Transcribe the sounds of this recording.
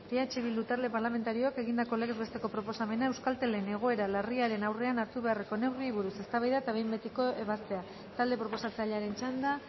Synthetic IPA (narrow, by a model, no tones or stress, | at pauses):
beat͡ʃiβ̞ild̪ut̪aɾle̞paɾlame̞nt̪aɾio̞ake̞ɣind̪ako̞le̞ɣezβe̞st̪e̞ko̞pɾo̞po̞same̞naewskalt̪e̞lene̞ɣ̞o̞e̞ɾalariaɾe̞nawre̞anaɾt̪uβe̞areko̞ne̞wriβuɾuse̞st̪aβajðat̪aβe̞jmbe̞t̪iko̞ʔe̞βast̪e̞a | t̪ald̪e̞pɾo̞po̞sat͡saʎaɾe̞nt͡ʃand̪a